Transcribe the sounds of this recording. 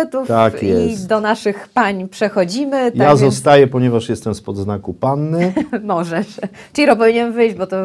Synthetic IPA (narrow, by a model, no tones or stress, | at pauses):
t̪uft̪akjɛisd̪ɔnaʂɘxpaɲpʂɛxɔd͡ʑimɘjazɔst̪ajɛpɔɲɛvaʂjɛst̪ɛmspɔd̪znakupanːɘmɔʐɛʂ | ʈ͡ʂɨlʲiɾɔp̬ɔvʲiɲɛnvɘjd͡ʑbɔt̪ɔ